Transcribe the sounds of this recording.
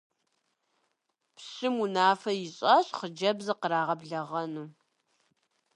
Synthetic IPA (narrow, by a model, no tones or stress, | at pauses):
pɕɨmunaːfɐjɪɕʼɐɕʼχəd͡ʒɐbzɨqəɾaːʁɐbɮɐʁɐnuː